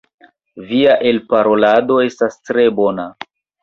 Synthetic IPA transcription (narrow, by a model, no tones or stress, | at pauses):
viaʔe̞lpaɾo̞lado̞e̞stastɾe̞bo̞na